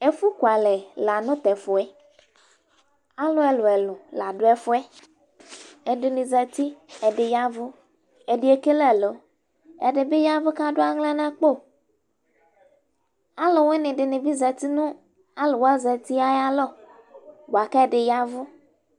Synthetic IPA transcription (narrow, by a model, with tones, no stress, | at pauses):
e˨fu˦kwa˨lɛ˨la˨nʊ̃˦t̪ɛ˨fʊ˨ɛ˦ | a˦lɔ˦ɛ˨lo˨ɛ˨lʊ˨la˨ɖo˦ɛ˦fʊ˦ɛ˦ | e˨de˨nɪ̃˨zɛ˨t̪i˦ɛ˨ɖɪ˨ja˦vʊ˦ | ɛ˨ɖe˨˦e˨ke˦lɛ˨lo˨ | ɛ̰˨ɖe˨be˦ja˦vʊ˦ka˦ɖʊ˦a˦ŋlã˦nã˦k͡po˦˨ | a˦lo˨we˦nɪ̃˨ɖɪ˨nɪ̃˨bi˦zɛ˨t̪i˦nũ˦ | a˦lo˨wa˦zɛ˨t̪i˦a˦ja˦lɔ˦˨ | bo˨a˨kɛ˦ɖɪ˨ja˦vʊ˦